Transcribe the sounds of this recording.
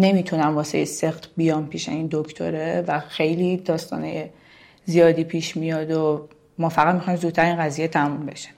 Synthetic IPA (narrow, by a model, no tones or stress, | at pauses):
ne̞mit̪ʰunæmvɒːsḛjesext̪bijɒːmpʰiːʃeind̪okʰt̪ʰo̰ɾevæxe̞jliːd̪ɒːst̪ɒ̰ːneje | zijɒːd̪iːpʰiːʃmijɒːd̪o | mɒːfæɣæt̪mixɒːjmzuːd̪̚t̪ʰːæɾiːnɡæziːjet̪ʰæmumbe̞ʃi̥m